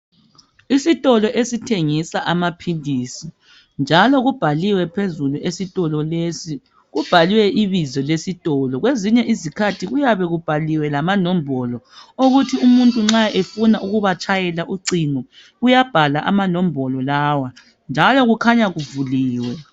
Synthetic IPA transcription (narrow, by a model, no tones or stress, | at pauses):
isitʼɔlɔʔesitʰeŋisaʔamapʰiliːsi | nd͡ʒʱalɔɣub̥ʱaliwɛpʰezuluʔesitʼɔlɔlesi | ɣub̥ʱaliwɛʔiβizɔlesitʼɔlɔɣweziɲɛʔizikʰatʰiɣujaβɛɣub̥ʱaliwɛlamanɔmbʱɔlɔoɣutʰiumuntʼuŋ͡ǁaʔefunaʔuɣuβat͡ʃʼajɛlaʔuǀiŋɔ | ɣujab̥ʱalaʔamanɔm̩bʱɔlɔlaːwa | nd͡ʒʱalɔɣukʰaɲaɣuvuliːwɛ